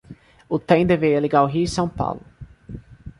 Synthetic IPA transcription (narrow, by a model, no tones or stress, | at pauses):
ʊt̪ẽj̃d̪eveɾiɛleɡawɦiʊisɐ̃w̃pa̰wlʊ